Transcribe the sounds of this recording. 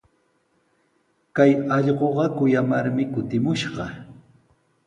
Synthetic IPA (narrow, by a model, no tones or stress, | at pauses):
kajɑʎɢoɢɑkʊjamaɾmɪkʊt̪ɪmʊʃɢɑ